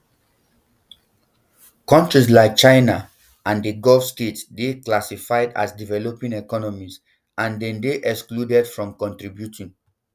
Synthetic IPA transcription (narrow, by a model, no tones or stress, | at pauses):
kɔ̃ntɹis̬laɪk̚t͡ʃãɪna | ãndəɡɔlfstetsdeklasifaɪda̰sdivɛlopĩnɛkɔnɔmis | ãndɛ̃ndeʔɛkskludɛdfɹɔ̃mkɔ̃ntɹibjutʰĩn